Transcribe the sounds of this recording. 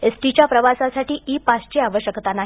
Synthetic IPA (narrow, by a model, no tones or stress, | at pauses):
esʈit͡ɕjapɾəʋasasaʈiːʔipast͡ɕeaʋəɕjəkt̪anaɦ